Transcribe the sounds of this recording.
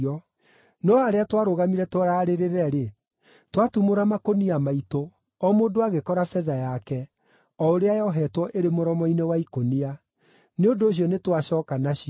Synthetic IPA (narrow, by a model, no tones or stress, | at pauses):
ɔ | nɔaɾeatwaɾoɣamiɾɛtwɔɾaɾeɾeɾɛɾe | twatumoɾamakoniamaito | ɔmoːdoaɣekɔɾafɛðajakɛ | ɔoɾeajɔɦɛtwɔʔeɾemoɾɔmɔinewaikonia | neondoːɕ̬iɔnetwaɕɔkanaɕi